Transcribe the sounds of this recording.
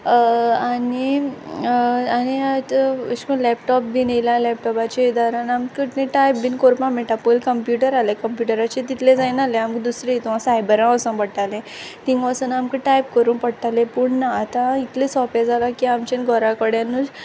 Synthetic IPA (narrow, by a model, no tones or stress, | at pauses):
ani | aniat̪əɕkũlɛpʈɔp̚binejlalɛp̚ʈɔpat͡ɕeid̪aɾanamkəʈnẽʈajpbinkoɾpãmeʈapojlkəmpjuʈəɾalekəmpjuʈəɾat͡ɕet̪it̪lẽd͡zajnalẽamkd̪usɾeit̪uãsajbəɾãəsə̃npəɽʈalẽ | t̪ĩŋɡʋasənamkəʈajpkəɾuːnpəɽʈalẽpuːɳnaːt̪ãit̪lesɔfed͡zʱalakiamt͡ɕenɡʱɔɾakəɽjanu